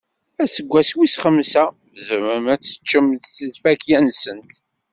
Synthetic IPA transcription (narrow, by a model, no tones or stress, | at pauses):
æsəɡʷːæswisχəmːsæ | vzəməmæt͡sːə̥t͡ʃːəmðsəlfækjænsənt̪